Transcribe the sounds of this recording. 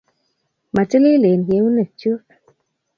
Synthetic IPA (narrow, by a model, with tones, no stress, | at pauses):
ma˨ti˦lɪ˦le˨n˨ɡe˨˦u˦ne˨t͡ʃu˦